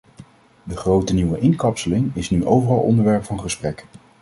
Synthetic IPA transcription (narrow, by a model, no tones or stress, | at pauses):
dəχrowtəniwəʔɪŋkɑpsəlɪŋɪsnyʔowvərɑlˠʔɔ̰ndəɹʋɛɹpfɑnχəsprɛk